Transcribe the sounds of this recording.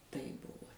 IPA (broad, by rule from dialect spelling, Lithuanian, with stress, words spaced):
tɐɪp ˈbʊʋoː